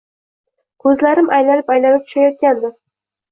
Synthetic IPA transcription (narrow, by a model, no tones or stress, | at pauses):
kʰɵzlaɾɪmʔajlanɪpajlanɪp̚t̪ʰʊ̥ʃajɒt̪̚kʲand̪ɪ